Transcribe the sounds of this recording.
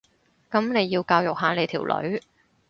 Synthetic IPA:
kɐ˨˥mne˨˧jːiː˧wkaː˧wjʊ˨k̚ɦaː˨˧le˨˧jt̪ʰiː˨˩wlʔɵ̰˨˥ɥ

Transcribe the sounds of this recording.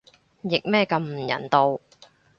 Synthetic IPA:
jɪ˨k̚mɛː˥˧kɐ˧mm̩˨˩jɐ̰˨˩nt̪o˧w

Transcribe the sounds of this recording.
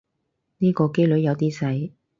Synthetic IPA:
niː˥kɔː˧ke˥jlɵ˨˥ɥjɐ˨˧wt̪iː˥sɐ˨˥j

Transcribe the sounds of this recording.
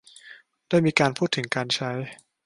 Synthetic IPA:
d̥aː˥˩jmiː˧kaː˧npʰuː˥˩t̪ʰːɯ˩˦ŋkaː˧nt͡ɕʰa˦˥j

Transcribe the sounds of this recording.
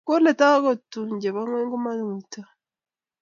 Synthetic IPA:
ko˦le˨ta˦ɣo˨tːu˨ɲɟe˨βa˦ŋweː˦ŋɡu˦ma˦nuːta˨

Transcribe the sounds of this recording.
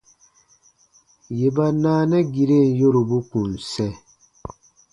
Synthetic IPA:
je˨ba˦naː˦nɛ˦ɡi˨ɾe˦˨n˨jo˦ɾu˨bu˦kũ˨n˨sɛ˦

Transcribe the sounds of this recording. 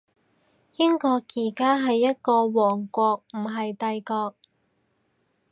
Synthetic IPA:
jɪ˥ŋkɔː˧kjiː˨˩kaː˥ɦɐ˨jːɐ˥t̚kɔː˧wɔː˨˩ŋkʷɔː˧k̚m̩˨˩ɦɐ˨jt̪ɐ˧jkɔː˧k̚

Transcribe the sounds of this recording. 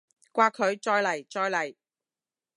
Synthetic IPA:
kʷaː˧kʰɵ˨˧ɥt͡ʃɔː˧jlɐ˨˩jt͡ʃɔː˧jlɐ˨˩j

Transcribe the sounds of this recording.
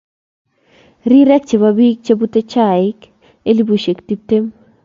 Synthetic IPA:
ɾi˦ɾɛ˦k̚t͡ʃe˨babi˦k̚t͡ʃe˦bu˦te˦t͡ʃa˨ɪ˦k | e˦li˦bu˨ʃe˨kti˦p̚te˦m

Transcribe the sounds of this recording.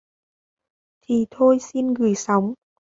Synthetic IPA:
t̪ʰi˨˩t̪ʰo˧jsi˧nɣɨ˧˩jsa˨˦wŋ͡m

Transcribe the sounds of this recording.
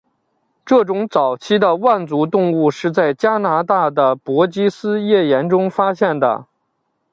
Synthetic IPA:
ʈ͡ʂɤ˥˩ʈ͡ʂʊ˧˥ŋt͡sɑ˨˩ʊt͡ɕʰi˥d̪ə˧wa˥˩nt͡su˧˥t̪ʊ˥˧ŋu˥˧ʂɻ̩˥˧t͡sa˥˩ɪt͡ɕja˥na˧˥t̪a˥˩d̪ə˩pwɔ˧˥t͡ɕi˥sɹ̩˥jɛ˥˩jɛ˧˥nʈ͡ʂʊ˥ŋfa˥ɕjɛ˥˩nd̪ə̰˩

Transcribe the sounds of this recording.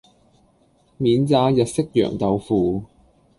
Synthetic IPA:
miː˨˧nt͡saː˧jɐ˨t̚sɪ˥k̚jœ̰ː˨˩ŋt̪ɐ˨˧wfuː˨˧

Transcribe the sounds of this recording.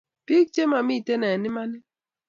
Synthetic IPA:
pi˦k̚t͡ʃe˦ma˨mi˦˨tɛ˦nɛ˨nɪ˦ma˦nɪ˦

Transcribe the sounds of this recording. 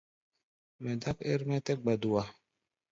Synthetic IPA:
mɛ˨d̪a˦ke˦ɾmɛ˦t̪ɛ˦k̚ɡ͡ba˨d̪u˨wa˨

